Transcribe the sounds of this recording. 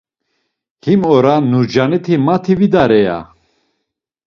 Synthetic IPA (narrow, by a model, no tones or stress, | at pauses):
himɔɾanuɾd͡ʒanit̪ʰimat̪ʰivid̪aɾɛja̰